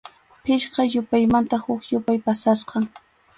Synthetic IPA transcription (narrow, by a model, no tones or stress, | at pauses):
pɪʃqɑjʊpajmant̪ahʊkjʊpajpasasqɑŋ